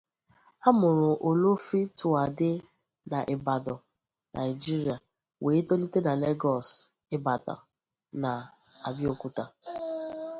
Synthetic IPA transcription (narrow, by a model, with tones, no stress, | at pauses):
a˦mʊ˨ɾʊ˨ʔo˨lo˦fi˦tʊ˨a˨dɪ˦ | na˨ʔɪ˨ba˨dɔ˨ | nʔa̰˨ɪ˨d͡ʒi˦ɾi˨a˨ | weː˨˦to˦li˦te˦na˨le˦ɡɔ˨s | ɪ˦ba˨ta̰˨ | na˨ | a˨bjo˦ku˦ta˨